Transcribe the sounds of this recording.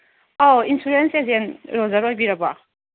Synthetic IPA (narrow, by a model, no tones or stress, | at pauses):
awinsuɾensezenɾɔzaɾojbiɾaba